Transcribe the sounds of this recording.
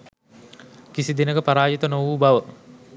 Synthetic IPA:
kisid̪enəɡəpaɾaːjət̪ənoʋuːbaʋə

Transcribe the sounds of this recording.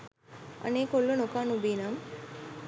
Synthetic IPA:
ə̰neːkolːonokanubiːnam

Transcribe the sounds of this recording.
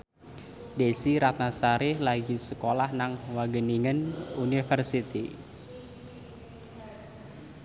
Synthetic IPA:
desiɾat̪̚nasaɾɪhlaɡisəkolahnaŋwaɡəniŋənunifərsit̪i

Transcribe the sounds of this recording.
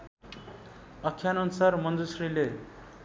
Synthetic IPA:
ʌkʰːjanʌnusarmʌnd̪usrile

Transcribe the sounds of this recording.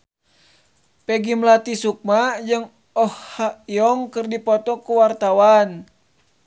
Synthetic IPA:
pɛɡimlat̪isuk̚mad͡ʒəŋ | ɔhhaiɔŋkɨrdipɔt̪ɔkuwart̪awan

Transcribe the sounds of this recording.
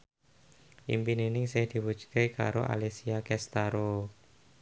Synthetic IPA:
ʔimpinenɪŋsɪhd̪̥i̤wu̥t͡ʃkeka̰ɾoʔa̰lesiakɛst̪aɾo

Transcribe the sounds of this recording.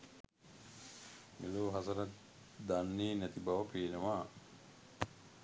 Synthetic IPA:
meloːɦasɐɾɐt̪ | d̪anːeːnæt̪ibaʋɐpeːnɐʋaː

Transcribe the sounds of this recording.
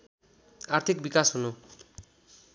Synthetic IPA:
art̪ʰik̚bikasɦunu

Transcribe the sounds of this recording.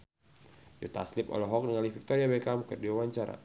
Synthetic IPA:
d͡ʒɔt̪a̰slipɔ̰lɔɦɔk̚nəŋalifik̚t̪ɔɾiabɛkamkɨrdiwawaɲt͡ʃaɾa̰

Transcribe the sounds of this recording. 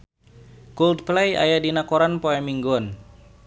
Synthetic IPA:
kuld̪̚plɛja̰jadinakoɾanpoɛmiŋɡɔn

